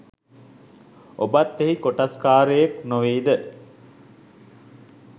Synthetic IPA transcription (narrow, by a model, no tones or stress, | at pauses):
obat̪ːeɦikoʈaskaːɾəjeknoʋiːd̪ə